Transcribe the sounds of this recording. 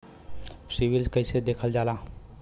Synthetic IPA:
siʋilkəjsʰed̪ekʰəld͡ʑala

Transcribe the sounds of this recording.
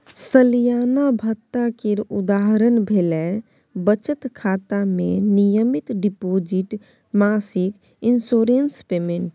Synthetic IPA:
səlijaːnabʱət̪ːakeɾud̪aɦɾənbʱelɛ | bət͡ʃət̪kʰaːt̪amẽnijəmit̪ɖipoːd͡ʒiʈ | maːsik | insoːɾenspeːmeɳʈ

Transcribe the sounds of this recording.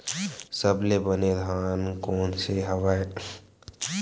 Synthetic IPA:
səblebəned̪ʱaːnkoːnseɦəʋae

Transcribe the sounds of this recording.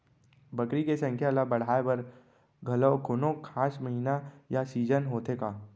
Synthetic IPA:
bɐkɾikesɐ̃ŋkʰjalabɐɽ̤aːebɐɾ | ɡʱɐlokʰʊnõkʰaːsmɐɦiːnajasiːd͡ʒənɦoːt̪ekaː

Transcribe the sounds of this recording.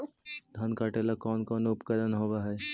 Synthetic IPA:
d̪ʱɐnkaːʈelakɔːnkɔːnʊpkəd̪ənɦoːʋaɦɛː

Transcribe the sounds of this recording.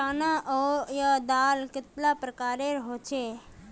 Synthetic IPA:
aːnaʔojəd̪aːlkɪt̪lapɾəkaːɾeɾɦot͡ʃʰe

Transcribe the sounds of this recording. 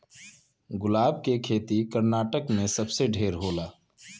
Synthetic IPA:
ɡʊlaːb̚kekʰeːt̪ikəɾnaːʈəkmẽsəbseɖʱeːɾɦoːlaː

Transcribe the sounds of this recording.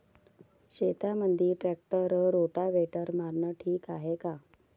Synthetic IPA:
ɕet̪amənd̪ʱiːʈɾɛk̚ʈəɾɾoʈaʋeʈəɾmaɾɳəʈʰiːkaɦeka

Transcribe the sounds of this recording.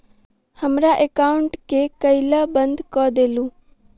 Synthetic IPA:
həmɾaːʔekaːʊɳʈkekəilaːbənd̪kɔːd̪eːlũː

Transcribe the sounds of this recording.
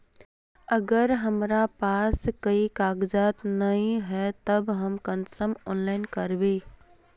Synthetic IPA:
əɡəɾɦəmɾapaskəikaɡd͡ʒat̪nəĩɦɛt̪əbɦəmkənsəmɔ̰nlaɪnkəɾbe

